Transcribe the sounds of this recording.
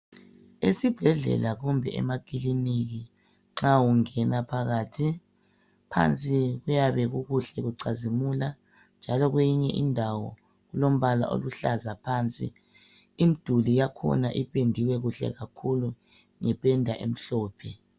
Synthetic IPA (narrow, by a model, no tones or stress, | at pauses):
esib̥ʱɛɮɛ̰laɣumbʱɛ̰ʔɛ̰makʼiliniɣi | ŋ͡ǁawuŋɛnapʰaɣaːtʰi | pʰa̰nt͡sʼiɣujaβɛɣuɣuɬɛɣuǀazimula | nd͡ʒʱalɔɣwejiɲɛʔindʱawɔ̰ | ɣulom̩βala̰ʔo̰luɬazapʰaːnt͡sʼḭː | m̩d̥ʱulijakʰɔ̰naʔipʼendʱiwɛɣuɬɛ̰ɣakʰulu | ŋɛpʼɛndʱaʔḛm̩ɬɔːpʰɛ